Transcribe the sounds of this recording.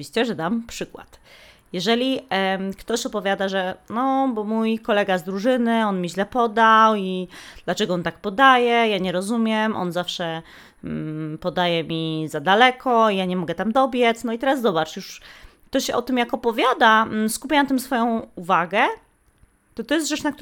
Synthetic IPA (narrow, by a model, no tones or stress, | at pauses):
vʲiɕt͡ɕɛʐɛd̪ampʂɘkwa̰t̪jɛʐɛlʲikt̪ɔɕɔpɔvʲjad̪aʐɛnɔbɔmujkɔlɛɡazd̪ɾuʐɘnɘɔnmʲiʑlɛpɔd̪awid̪̥lat͡ʂɛɡɔɔnt̪ak̚pɔd̪ajɛjaɲɛɾɔzumʲjɛmʔɔ̰nzafʂɛ | pɔd̪ajɛmʲizad̪alɛkʰɔijaɲɛmɔɡɛt̪amd̪ɔbʲjɛt̪snɔit̪ɛɾasːɔbat͡ʂjuʂk̚t̪ɔɕʔɔt̪ɘmjakɔpɔvʲjad̪askupʲjanat̪ɘmsfɔjɔ̃w̃uvaɡɛ | t̪ɔt̪ɔjɛst̪ʐɛt͡ʂnakt̪